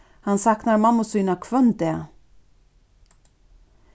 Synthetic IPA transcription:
hansaknaɾmamːʊsyːnakʰvœnd̪ɛ

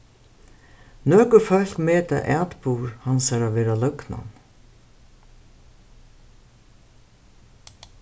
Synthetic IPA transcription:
nœːkʏfœl̥kmeːt̪a̰ʔɛːt̪puːɾhansaɾaʋeːɾalœkna̰n

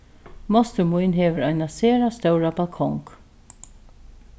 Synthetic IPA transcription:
mɔst̪əmʊjnɦeːvəɾɔjnaseːɾast̪œwɾabalkʰɔŋk

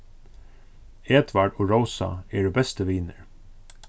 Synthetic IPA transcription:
ɛːd̪ʋaɹɖoːɹowsa̰ɛːɹəbɛst̪əʋiːnəɹ

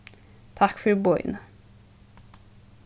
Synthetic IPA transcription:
t̪ʰɑkfɔɾbɔʏnə

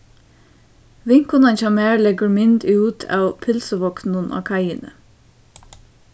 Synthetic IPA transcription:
ʋɪŋkʊnɑnçɑmeːɹlɛɡəɹmɪnd̪ʉːt̪ʰɑ̰ːʋpʰɪlsəʋɔknənʔo̰ːkʰɑɪənə̰

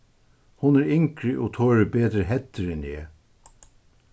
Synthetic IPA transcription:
hʊnæːɹɪŋkɹɪʔoːt̪ʰoːɹəbeːd̪ɾəɦɛt̪əɾɛneː

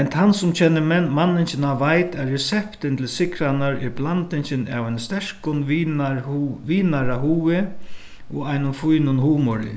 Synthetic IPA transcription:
ɛnt̪ʰansʊmt͡ʃʰɛːnɪmɛnmanːɪɲsɪnaʋajt̪ɛɾːɛsɛpt̪ɪnt̪ʰɪlsɪkɾanaɾɪɾblant̪ɪɲsɪna̰waɪjnst̪ɛʂkʊn | ʋiːnaɾaɦuːɪ | ɔajnʊnfujnʊnɦuːmɔɾɪ̰

